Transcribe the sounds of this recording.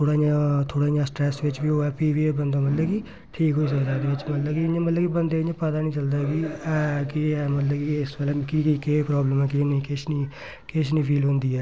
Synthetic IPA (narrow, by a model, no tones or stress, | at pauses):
t̪ʰoːɽaːjãːt̪ʰoːɽaːjãːsʈɾɛːsʋɪt͡ʃʋiːoːɛːpiːʋiebənd̪aːmət̪ləbki | ʈʰiːkɦoːiːs̬əkd̪aːd̪eːʋɪt͡ʃmət̪ləbkiɪɲãːmət̪ləbkibənd̪eːɪɲãːpət̪aːnĩːt͡ʃəld̪aːɡiːkɪmət̪ləbkiiɪsʋəlɛːkikikeːpɾaːbləmɛːkɪnĩːkɪʃnĩː | kɪʃnĩːpʰiːlɦõːnd̪iːɛː